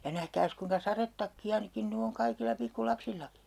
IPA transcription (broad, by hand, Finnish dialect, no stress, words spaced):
jɑ næhkæːs kuiŋkɑ sɑretːɑkːiɑ ni kin ny oŋ kɑikilːɑ pikːulɑpsilːɑki